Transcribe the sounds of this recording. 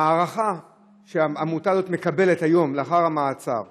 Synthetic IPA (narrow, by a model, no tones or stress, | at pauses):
aːʁaχa | ʃeaamut̪azo̞t̪me̞kabe̞letajo̞mleaχaʁhamaːt͡sa̰ʁ